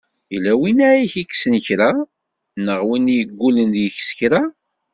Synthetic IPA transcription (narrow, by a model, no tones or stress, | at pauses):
ilːæwinæiçiksənçɾa | nəʁwinjɡʷːulənd̪jəçsçɾa